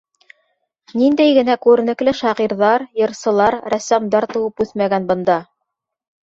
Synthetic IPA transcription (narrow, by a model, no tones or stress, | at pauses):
nind̪æjɡɘ̆nækʉɾɘ̆nɘ̆klɘʃɑʁiɾðɑɾjɤ̆ɾsɤ̆lˠɑɾɾæsæmd̪ɑɾt̪ɤ̆wɤpʉθmæɡænbɤ̆nd̪ɑ